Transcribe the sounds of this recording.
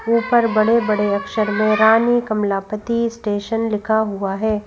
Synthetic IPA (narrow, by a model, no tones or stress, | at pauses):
uːpəɾbɐɽebɐɽeɐkʃəɾmẽɾaːnikɐmlaːpət̪isʈeːʃənlɪkʰaɦuaɦɛː